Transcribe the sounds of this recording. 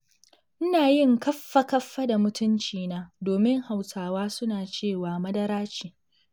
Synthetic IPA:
ʔɪ˦naː˨jɪ˦˨ŋkɐ˦fːa˦kɐ˦fːɐ˦da˨mʊ˦tʊ˦nt͡ʃiː˨naː˦doː˨mɪ˦ŋha˨wsaː˨waː˦sʊ˦naː˨t͡ʃeː˦˨waː˨mɐ˦dɐ˦ɾaː˦t͡ʃiː˨

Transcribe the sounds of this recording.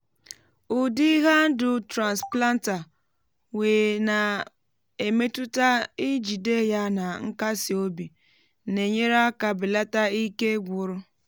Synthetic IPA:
ʊ˨di˦ɣa˦n̩˦dʊ˨tɾa˨nspla˦n˦ta˨ | weː˨na˨ | e˨me˦tʊ˦ta˦i˦d͡ʒi˨de˦˨ja˦na˨ŋ̩˦ka˦si˨o˦bi˨ | ne˨ɲe˦ɾa˦ka˨bɪ˨la˦ta˦i˦ke˦ɡʷʊ˨ɾʊ˦

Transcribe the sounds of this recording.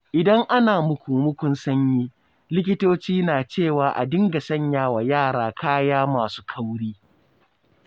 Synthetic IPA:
ʔɪ˨dɐ˦ŋʔa˦naː˨mʊ˦kʷuː˨mʊ˦kʷʊ˦nsɐ˦ɲjiː˦ | lɪ˦kʲɪ˦toː˦t͡ʃiː˦naː˨t͡ʃeː˦˨waː˨ʔa̰˨dɪ˦ŋɡa˨sɐ˦˨ɲjaː˦wa˨jaː˦˨ɽaː˨kʰaː˦jaː˦maː˨su̥ː˦kʰa˦wɽiː˦

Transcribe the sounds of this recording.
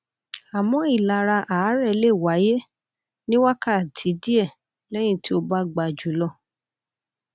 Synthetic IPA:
a˨mɔ̃˨˦i˦˨la˨ɾa˧ʔa˨˦ɾɛ˦˨le˦˨wa˨˦je˦ | nĩ˦wa˦ka˦˨tʰi˨˦di˦ɛ˦˨ | lɛ˦j̃ĩ˦˨ti˦o˧ba˦ɡ͡ba˧˨d͡ʒu˨˦lɔ˦˨

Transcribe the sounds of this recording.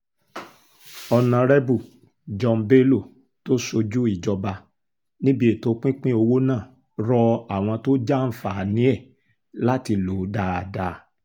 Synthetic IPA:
ɔ˧nã˧ɾɛ˦bu˦˨ | d͡ʒɔ˧m˦be˦lo˦˨ | to˦so˧d͡ʒu˦i˦˨d͡ʒɔ˧ba˧ | nĩ˦bi˦e˨to˧˦k͡pĩ˦k͡pĩ˦o˧wo˦nãː˦˨ | ɾɔ˧a˨w̃ɔ̃˧to˦d͡ʒa˦˨n̩˦fa˨nĩ˨˦ɛ˦˨ | la˦ti˧lo˨˦da˧˦a˨da˨˧

